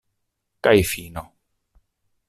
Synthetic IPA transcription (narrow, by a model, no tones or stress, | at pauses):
kajfiːnɔ